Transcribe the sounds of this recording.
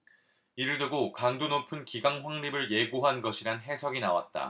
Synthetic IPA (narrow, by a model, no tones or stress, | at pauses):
iɾɯɭdɯɡokaŋdonopʰɯnkiɡaŋɸwaŋɾibɯɭje̞ɡoɦanɡʌɕʰiɾanɦe̞sʰʌɡinawa̰t̚t͈a̰